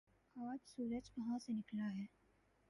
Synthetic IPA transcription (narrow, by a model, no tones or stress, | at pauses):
aːd͡ʒsuːɾəd͡ʒʋɐɦãsenɪklaɦɛː